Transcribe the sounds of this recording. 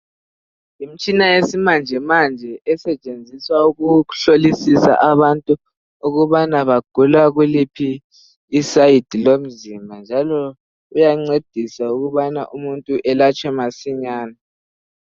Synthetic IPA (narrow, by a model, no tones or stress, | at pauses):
im̩t͡ʃʼinajesimand͡ʒʱɛmand͡ʒʱɛʔɛsɛt͡ʃʼend͡zʱiswauɣuɬolisisa̰ʔaβantʼu | uɣuβanaβaɡ̥ʱulaɣulipʰiː | said̥ʱilom̩zimbʱand͡ʒʱalɔ | ujaŋ͡ǀed̥ʱisauɣuβana̰ʔumuntʼuʔɛlat͡ʃʼɛmasiɲaːna